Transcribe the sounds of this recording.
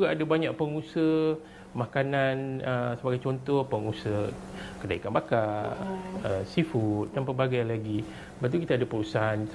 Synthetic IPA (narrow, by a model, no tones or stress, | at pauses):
d͡ʒuɡaʔadabaɲãʔ̚pəŋusə | mãkananəsəbaɡajt͡ʃɔnt̪ɔhpəŋusəkədaikanbaka | əsifut̪̚danpəbaɡajlaɡi | əbat̪̬ukit̪aːdapuɾusan